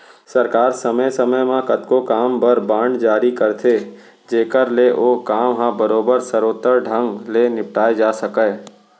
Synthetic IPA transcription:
səɾkaːɾsəməsəməjmãkət̪kokaːmbəɾbãːɳɖd͡ʒaːɾikəɾt̪ʰe | d͡ʒeːkəɾleʔoːkaːmɦãbəɾoːbəɾsəɾoːt̪əɾɖʱə̃ŋɡlenɪp̚ʈaːed͡ʒaːsəkə

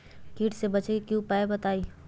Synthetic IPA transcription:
kiːʈsebɐt͡ʃekjũpaːebɐt̪aːiː

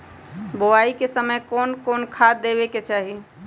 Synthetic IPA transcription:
boaikesəməjkonkonkʰad̪eβeket͡ʃaɦi

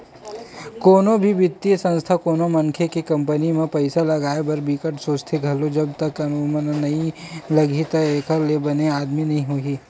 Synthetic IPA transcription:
koːnõbʱiʋɪt̪ːiəsɐ̃nst̪ʰakoːnomɐ̃ŋkʰekekɐ̃mpənimẽpɐɪsalɐɡaːebɐɾbiːkəʈsoːt͡ʃt̪ʰeɡʱɐlod͡ʒɐbt̪ɐkɐnumənnɐɦĩlɐɡʱit̪aeːkʰəlebɐneaːd̪minɐɦĩɦoːɡiː

